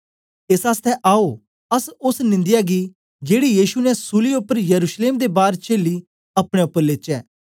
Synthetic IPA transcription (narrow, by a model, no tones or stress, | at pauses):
ɪsaːst̪ʰɛʔaːo | ɐsʊsnɪ̃nd̪ɪjaːɡi | d͡ʒeːɽijiːʃunɛsuːliʊpːəɾjəɾuːʃleːmd̪ebaːɾt͡ʃeːli | ɐpɽ̃eʊpːəɾleːt͡ʃɛː